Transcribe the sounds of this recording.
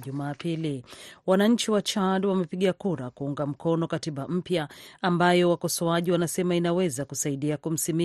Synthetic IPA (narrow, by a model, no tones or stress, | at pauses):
ʄumaːpiliwanaɲ̩t͡ʃiwat͡ʃadwamɛpiɠiakuɾakuuŋɡam̩kɔnɔkatiɓam̩pjaːmbajɔwakɔsɔaʄiwanasɛmainawɛzakusaiɗiakum̩simi